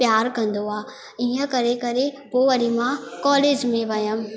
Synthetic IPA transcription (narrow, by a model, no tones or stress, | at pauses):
pjaːɾkɐ̃nd̪oaː | iːə̃kɐɾekɐɾepoːʋɐɾimãkɔːleːd͡ʒmẽʋɐjəm